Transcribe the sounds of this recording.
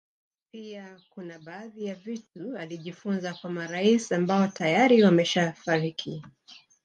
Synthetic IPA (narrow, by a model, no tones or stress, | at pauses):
piakunaɓaːðijavitualiʄifunzakwamaɾaisambaɔtajaɾiwamɛʃafaɾikʰi